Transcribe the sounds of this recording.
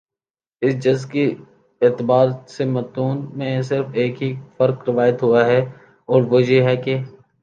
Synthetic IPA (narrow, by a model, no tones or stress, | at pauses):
ɪsd͡ʒɐzki | ɪt̪ɪbaːɾsemɐt̪uːnmẽs̬ɪɾfeːkɦifɐɾkɾɪʋaːjət̪ɦuaɦɛ | ɔːɾʋod͡ʒeɦɛke